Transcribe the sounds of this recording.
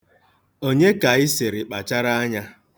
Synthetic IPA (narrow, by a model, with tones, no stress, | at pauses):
o˦ɲe˦ka˨ɪ˦se˨ɾɪ˨k͡pa˨t͡ʃa˦ɾa˦a˦ɲa˦